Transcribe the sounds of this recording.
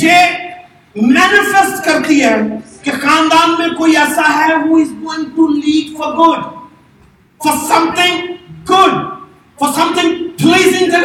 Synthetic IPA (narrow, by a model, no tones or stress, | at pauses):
d͡ʒeː | mɛːnɪfɛsʈkɐɾt̪iɦɛ | kexãːnd̪aːnmẽkoːiɛsaɦɛɦuːɪzɡoːɪ̃ŋʈuliːkfɔɾɡʊɖ | fɔɾsɐ̃mt̪ɪ̃ŋɡʊɖ̚ | fɔsɐ̃mt̪ɪ̃ŋpʰliːzɪ̃ŋkə